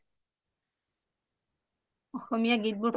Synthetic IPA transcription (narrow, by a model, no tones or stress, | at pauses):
ɔxɔmijaɡit̚butʰ